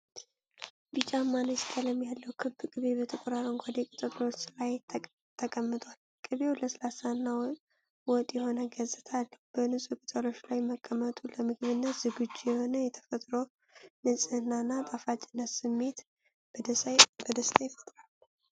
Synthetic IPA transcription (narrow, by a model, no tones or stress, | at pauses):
bɨt͡ʃʼamːanəst̪ʰələmːjalːəwkʰɨbːkʼɨβebət̪ʰəkʷʼoɾaɾəŋɡʷad̪ekʼɨt̪ʼɨt̪lo̞t͡ʃːlaj | t̪ʰəkʼəmːɨt̪ʼwal | kʼɨβewləsəlasanːaw | wɔt̪ʼjɛho̞nəɡəzɨt̪ʰalːəb̥ənɨsʼukʼɨt̪ʼəlo̞t͡ʃːlajməkʼːəmət̪ʼuləmɨɡβɨnːət̪z̥ɨɡɨd͡ʒjɛho̞nəjɛt̪ʰə̥fət̪ʼɾow | nɨsʼɨɨnːanːat̪ʼafat͡ʃʼɪnːət̪sɨmːe̞t̪ | bəd̪əst̪ʰʼajfə̥t̪ʼɾal